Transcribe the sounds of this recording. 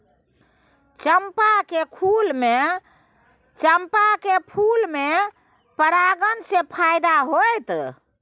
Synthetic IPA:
t͡ʃəmpakekʰulme | t͡ʃəmpakepʰulme | pəɾaɡənsepʰajd̪aɦojt̪

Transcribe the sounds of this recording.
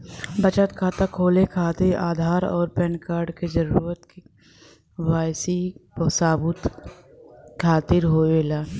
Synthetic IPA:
bət͡ʃət̪kʰaːt̪akʰoːlekʰaːt̪iɾa̰ːd̪ʱaːɾɔ̰ːɾpɛ̃ːɳkaːɾɖked͡ʒəɾuːɾət̪k | waːjsisaːbʊt̪ | kʰaːt̪ɪɾɦoːeːlaː

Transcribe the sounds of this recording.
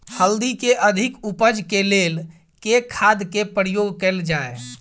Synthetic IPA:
həld̪ikeʔəd̪ʱikupəd͡ʒkelel | kekʰad̪kepɾijoɡkɛld͡ʒae

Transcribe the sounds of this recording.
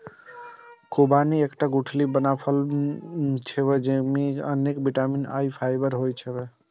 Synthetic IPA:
kobaniekʈaɡuʈʰlibənapʰəl | t͡ʃʰɛbed͡ʒemiə̰nekbiʈamina̰jpʰajbəɾɦojt͡ʃʰɛbɛ

